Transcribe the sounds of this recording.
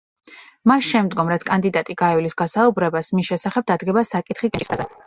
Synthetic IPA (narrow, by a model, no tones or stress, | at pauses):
masʃɛmd̪ɡɔmɾat̪sʰkʼand̪id̪at̪ʼiɡaɛlisɡasaubɾɛbasmisʃɛsaχɛb̚d̪ad̪ɡɛbasakʼit̪ʰχikʼizɛ